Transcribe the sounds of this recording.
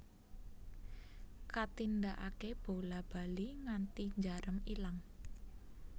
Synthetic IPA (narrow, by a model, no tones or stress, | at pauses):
kat̪ind̪aʔakeb̥olab̥a̤liŋant̪iɲd͡ʒaɾəmilaŋ